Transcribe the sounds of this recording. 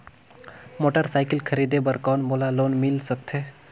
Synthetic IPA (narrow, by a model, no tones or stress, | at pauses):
moːʈəɾsaːɪkɪlkʰəɾiːd̪ebəɾkɔːnmoːlaloːnmɪlsək̚t̪ʰeː